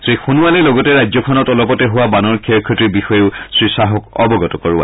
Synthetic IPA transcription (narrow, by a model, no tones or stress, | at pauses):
sejxunuwalɛlɔɡɔtɛɹazɔkʰɔnɔtɔlɔpɔtɛɦʊwabanɔɹkʰɛɹkʰːɔtiɹbixɔjeʊsɹisaɦɔkɔ̰bɔɡɔtɔkɔɹʊa̰